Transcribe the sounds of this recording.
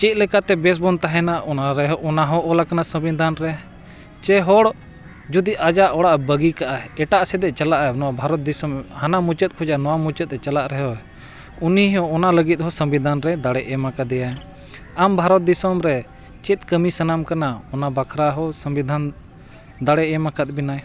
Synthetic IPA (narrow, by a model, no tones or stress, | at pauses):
t͡ʃɛt̪̚lɛkat̪ɛbɛs̬bɔnt̪aɦɛnaʔʔɔnaɾɛɦɔʔɔnaɦɔʔɔlakanasəmbid̪ʱanɾɛ | t͡ʃɛɦɔɽ | d͡ʒud̪iʔad͡ʒaʔɔɽaʔbəɡikaʔaɛʈaʔsɛd̪ɛt͡ʃalaʔnɔwabʱaɾɔt̪̚d̪isəmhanamut͡ʃət̪̚ˀkʰɔd͡ʒanɔwamut͡ʃət̪̚ɛt͡ʃalaʔɾɛɦɔɛ | uniɦɔ̃ɔnaləɡit̪̚ˀɦɔsəmbid̪ʱanɾɛd̪aɽɛʔɛmakad̪ɛja | ambʱaɾɔt̪̚d̪isɔmɾɛ | t͡ʃit̪̚kəmisənamkanaɔnabakʰɾaɦɔsəmbid̪ʱan | d̪aɽɛʔɛmakət̪̚ˀbinaj